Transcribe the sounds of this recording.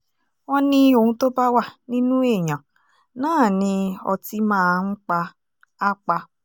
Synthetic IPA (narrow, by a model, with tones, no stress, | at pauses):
wɔ̃˦nĩ˧o˨hũ˧˦to˦ba˦wa˦˨nĩ˦nũ˦e˦˨ɲã˨ | nãː˦˨nĩ˧ɔ̰˧ti˧mãː˦˨˦ŋ͡m̩˦k͡pa˧ | a˦k͡pa˧